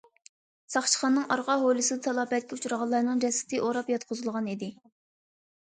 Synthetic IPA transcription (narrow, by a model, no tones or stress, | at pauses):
sɑχt͡ʃʰə̥χɑnːɨŋʔɑɾʁɑɦolˠɨsɨd̪ɨt̪ʰɑlˠɑːpɛt̪̚kʲʰɛut͡ʃʰuɾɑʁɑlˠɑɾnɨŋd͡ʒɛsɪ̥t̪ʰɪʔoɾɑpjɑt̪̚qʰʊzɨlˠʁɑnid̪ɪ